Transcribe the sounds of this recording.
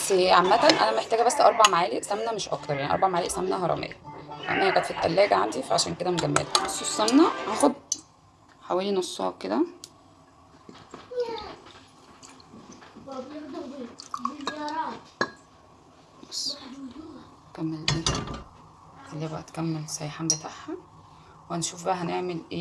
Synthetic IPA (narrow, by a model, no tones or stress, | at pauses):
seʕamːæt̪ænʔæ̰næmæeħt̪æːɡæbæsːʔɑ̰ɾˤbɑʕmaʕaːliʔsæmnæmeʃʔɑ̰kt̪ɑɾˤjaʕiʔɑ̰ɾˤbɑʕmaʕaːliʔsæmnæɦɑɾˤɑ̰mʔḛjæɑʔɑ̰mʔehæɡæːt̪fit̪ːælːæːɡæʕa̰nd̪ifæʕaʃæ̰ːnked̪æmɡæmːḛlæosˤːossæmnæʔæxod̪ | ħawæːlinosˤːɑ̰hked̪æ | mɑsˤː | kæmːelʔeː | ʔelːiːbæʔæt̪kæmːelsˤæjħaːmbet̪ʰaʕhæ | whænʃuːfbæʔɦæneʕmelʔeː